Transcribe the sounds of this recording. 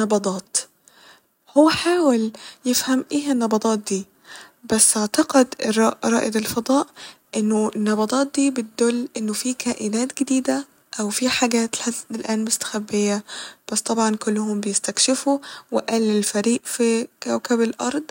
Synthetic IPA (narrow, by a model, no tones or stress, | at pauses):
ɑbɑd̪ˤɑːt̪ | howːæħaːweljefhæmʔeːɦænːɑbɑt̪ˤɑːt̪̚d̪iː | bæsːʔaʕt̪ɑqed̪rɑʔɾˤɑ̰ːʔed̪elfɑd̪ˤɑːʔʔenːonːɑbɑt̪ˤɑːt̪̚d̪iːbet̪̚d̪olːʔenːofiːkʰæːʔɪnæːt̪ɡed̪iːd̪æ | ʔæwfiːħaɡæːt̪ħaelʔæːnmost̪æ̥xæbːejːæb̥æsːt̪ˤɑbʕɑnkolːʊɦombejest̪ækʃɪfuwɪʔælːɪlfæɾiːʔfikæwkæbelʔɑ̰ɾˤd̪ˤ